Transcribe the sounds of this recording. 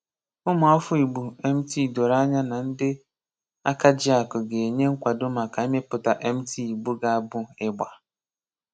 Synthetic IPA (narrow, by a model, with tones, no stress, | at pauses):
ʊ˦mʊ˨ɔ˦fʊ˦i˨ɡ͡bu˨e˦m̩˦ti˦˨do˨ɾa˦ɲa˦na˨n̩˦dɪ˦ | a˦ka˦d͡ʒɪ˦a˨kʊ˨ɡe˨e˨ɲe˦ŋ̩˦kʷa˨dʊ˦ma˨ka˨e˦me˦pʊ˨ta˨ʔe˦m̩˦tʰi˦i˨ɡ͡bu˦ɡa˨a˨bʊ˦ɪ˦ɡ͡ba˨